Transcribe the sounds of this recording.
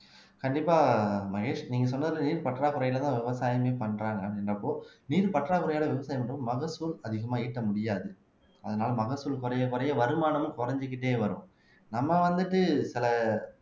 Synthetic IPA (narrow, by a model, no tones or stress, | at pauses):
kɐɳɖɪpːaːmɐɣeːʂniːŋɡɐs̬ɔnːɐðɪlːɐniːɾpɐʈːraːkɯɾɐjɪlɐt̪ãːʋɪʋɐsaːjɐmeːpɐɳːɾaːŋɡɐɐpɽɪnrɐpːoːniːɾpɐʈraːkɯɾɐjaːlɐʋɪʋɐsaːjɐmɐɳːɐɯmɐɣɐsuːlɐðɪɣɐmaːiːʈːɐmʊɽɪjaːðɯ | ʔɐ̰ðɐnaːlɐmɐɣɐsuːlkʊɾɐjɐkʊɾɐjɐʋɐɾɯmaːnɐmɯ̃nkʊɾɐɲd͡ʒɯk̬ːɪʈːeːʋɐɾʊ̰̃ | nɐmːɐʋɐnd̪ɯʈːɯsɪlɐ